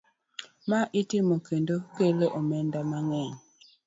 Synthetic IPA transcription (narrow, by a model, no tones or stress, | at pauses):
maʔitimokendokeleʔomɛndamaŋɛɲ